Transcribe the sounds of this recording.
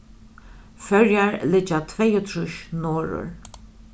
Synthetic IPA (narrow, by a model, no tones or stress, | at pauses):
fœɹjaɹlɪt͡ʃat̪ʰvɛjʊt̪ʰɾʊʃnoːɹʊ̰ɹ